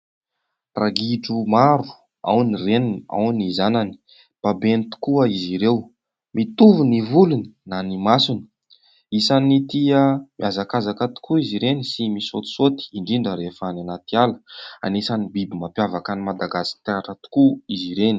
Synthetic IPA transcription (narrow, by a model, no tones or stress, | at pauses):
raɡiʈ͡ʂumaɾu̥ | a̰wnirenina̰wnizanani̥ | b̥abent̪u̥kuəiziɾew | mit̪uvunivuluni̥nanimasuni̥ | isanit̪iəmiazakazakat̪u̥kuiziɾenisimisot̪u̥sot̪i̥iɳɖ͡ʐiɳɖ͡ʐəɾefananat̪ialə̥a̰nesanibibimapjavakanimad̪aɡasi̥t̪aʈ͡ʂat̪u̥kuiziɾeni̥